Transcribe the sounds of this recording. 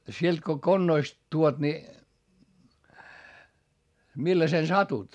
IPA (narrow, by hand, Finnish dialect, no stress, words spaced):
sielt ko konːoist tuot ni milːɑsen sɑtut